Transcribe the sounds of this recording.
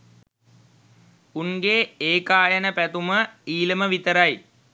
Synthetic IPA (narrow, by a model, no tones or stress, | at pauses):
unɡeːeːkaːjənəpæt̪uməiːləməʋit̪əɾaj